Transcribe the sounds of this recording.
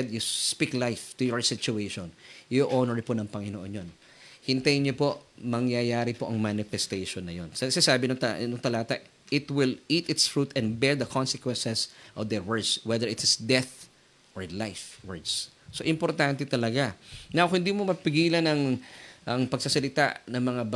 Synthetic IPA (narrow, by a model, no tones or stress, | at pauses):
ɛd̪juspiklajft̪ʊjɔɹsɪt͡ʃʊejʃõnjoʔonɛɹponɐŋpɐŋɪnoʔonjon | hɪnt̪ajɲopoʔmɐŋjajaːɾɪpo̞ʔɐŋmanɪfɛst̪ejʃonːɐjonsɐsasaːbɪnʊt̪anʊŋt̪ɐlaːt̪ɐ | ʔɪt̪wɪlit̪ɪt̪sfɹut̪ɛ̃nd̪bɛɹd̪ɐkʰonsɛkwɛnsɛsʔɔvd̪ɛɹwɛɹd̪swɛðɛɹɪt̪sd̪ɛθ | ʔɔɹlajfwɛɹd̪s | soʔɪmpoɾt̪ant̪ɛt̪ɐlɐɡanawhɪnd̪iːmomɐpɪɡiːlɐnɐŋʔɐŋpɐɡ̚sɐsɐlɪt̪a̰nɐŋmɐŋab